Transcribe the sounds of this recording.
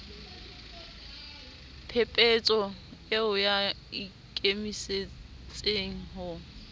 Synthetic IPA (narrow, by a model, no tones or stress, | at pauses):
pʰepʼet͡sʼɔeʊja | i | kʼemise | t͡sʼeŋ̩ɦʊ